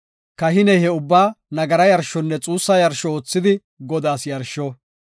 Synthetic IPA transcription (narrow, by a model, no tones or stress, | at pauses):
kɐɦɪnɛhɛʊbːaːnɐɡɐɾɐjɐɾʃːɔnːɛt͡sʼuːsːɐjɐɾʃɔoːt͡sːɪd̪ɪ | ɡɔd̪aːsjɐɾʃɔ